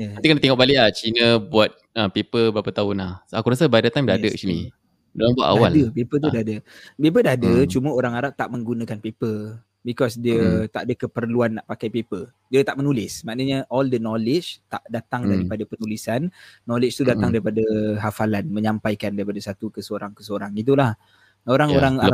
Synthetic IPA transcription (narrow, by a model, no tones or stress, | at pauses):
jaat̪ikanat̪ɛŋɔʔbalɪʔaht͡ʃinə̃buat̪̚əpepəbɾapat̪aʊnahakuɾasabadat̪ajmdaadəʔsinḭ | doaŋbua̰ʔ̪a̰awaldəpepət̪̬udaadəpep̬ədaadət͡ʃumə̃oɾaŋaɾaʔ̚t̪aʔmə̃ŋɡunə̃kanpepə | bikɔsdiət̪aʔadəkəpərluanːaʔpakajpepə | diət̪aʔmənulɪsmaʔnəɲəʔɔldənɔlɪt͡ʃt̪aʔdat̪aŋdaɾipadapənulisanːɔlɪt͡ʃt̪udat̪aŋdaɾipadəɦafalanmə̃ɲãmpajkandaɾipadasat̪ukəsəoɾaŋkəsəoɾaŋit̪̬ulah | oɾaŋoɾaŋa